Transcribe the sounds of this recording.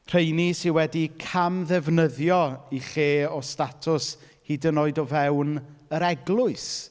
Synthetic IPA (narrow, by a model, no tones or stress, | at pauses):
r̥ejnisɪnwɛdikʰamðɛvnəðjɔiχeːɔstatʰʊs | hidənoːɨdɔvɛwnəɾɛɡlˠʊɨs